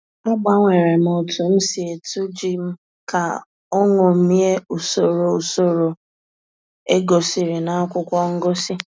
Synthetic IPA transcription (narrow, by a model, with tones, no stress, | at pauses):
nɔ˦ɡ͡ba˦ŋʷe˨ɾe˨m̩˨o˨tu˨m̩˦si˨e˨tu˦d͡ʒi˦m̩˦ | ka̰˨ | ɔ˦ŋo˨m̩˨˦mi˦e˦u˨so˨ɾo˨u˨so˦ɾo˨ | e˦ɡo˨si˨ɾɪ˨na˦kʷʊ˦kʷɔ˦ŋ̩˦ɡo˦si˦